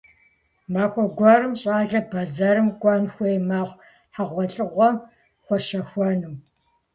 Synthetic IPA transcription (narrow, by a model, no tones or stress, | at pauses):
maːkʷʼɔɡʷɑɾɨmɕʼaːɮɐbɐzɐɾɨmkʷʼɑnxʷejmaːχʷ | ħaʁʷɔɬʼɨʁʷɔ | χʷɔʃɐxʷɔnɨm